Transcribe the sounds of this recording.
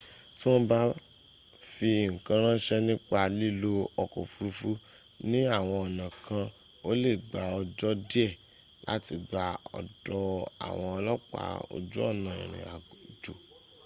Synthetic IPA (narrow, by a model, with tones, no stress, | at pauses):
ti˦w̃ɔ̃˦ba˦ | fi˧ŋ̩˨kã˧ɾ̃ã˦ʃɛ˦nĩ˦k͡pa˧li˦lo˦ɔ˧ko̰˨fu˧ɾu˧fu˦ | nĩ˦a˦˨w̃ɔ̃˧ɔ˨nã˨kʰã˧ | o˦le˦˨ɡ͡ba˨ɔ˧d͡ʒɔ˦di˦ɛ˦˨ | la̰˦ti˧ɡ͡ba˧ɔ̰˨dɔ˧a̰˨w̃ɔ̃˧lɔ˦k͡pa̰˨o̰˧˨d͡ʒu˦ɔ̰˦˨nã˨ḭ̃˨ɾ̃ḭ̃˨a̰˨d͡ʒo˨